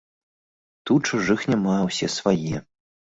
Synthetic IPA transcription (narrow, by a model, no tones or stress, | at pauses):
t̪ut͡ʂuʐɨxnʲamawsʲɛsvajɛ